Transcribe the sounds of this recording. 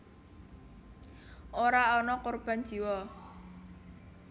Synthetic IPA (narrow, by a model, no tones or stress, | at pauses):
ʔoɾaɔnɔkorb̥a̤n̥d͡ʒ̥iwɔ